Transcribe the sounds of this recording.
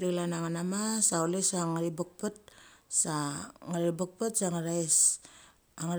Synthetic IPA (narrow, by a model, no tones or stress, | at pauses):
ɾilanaŋanamasaolesaŋaɾibuk̚pɯt̚saŋaɾibək̚pɯt̚saŋaɾajs | aŋɾ